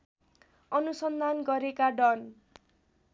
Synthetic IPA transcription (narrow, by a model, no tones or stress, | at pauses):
ʌnusʌnd̪ʱanɡʌɾekaɖʌn